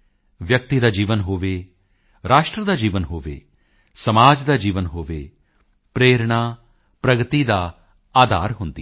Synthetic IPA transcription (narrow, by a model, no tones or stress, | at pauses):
ʋjək̚t̪id̪aːd͡ʒiːʋənɦoːʋe | ɾaːʃʈɾəd̪aːd͡ʒiːʋənɦoːʋḛː | sɐmaːd͡ʒd̪ad͡ʒiːʋənɦoːʋeː | pɾeːɾɳ̃aː | pɾɐɡət̪id̪aː | aːd̪a̰ːɾɦʊ̃ːnd̪i